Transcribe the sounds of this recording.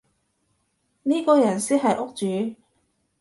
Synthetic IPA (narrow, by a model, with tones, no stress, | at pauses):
niː˥kɔː˨˧jɐ˨˩nsiː˥ɦɐ˨jʔʊ˥k̚t͡ʃyː˨˧